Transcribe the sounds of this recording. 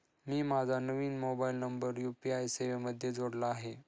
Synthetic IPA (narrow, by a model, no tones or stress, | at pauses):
miːmad͡zʱanəʋiːnmobailnəmbəɾjupiajseʋeməd̪ʱjed͡zoɽlaːɦe